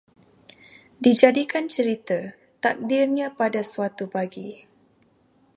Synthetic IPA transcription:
did͡ʒadikant͡ʃəɾit̪ə | t̪ak̚dirɲãpadasuat̪ubaɡi

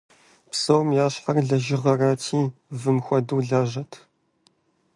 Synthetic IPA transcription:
psɐwmjaːɕħɐrɮɐʒɪʁɐraːtʰiːvɨmxʷɐduːɮaːʒɐtʰ

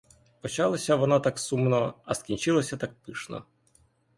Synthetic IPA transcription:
pɔt͡ʃɑlˠɐsʲɐʋɔnat̪aksumnɔɐskʲinʲt͡ʃɪlˠɔsʲɐt̪ak̚pɪʃnɔ̰

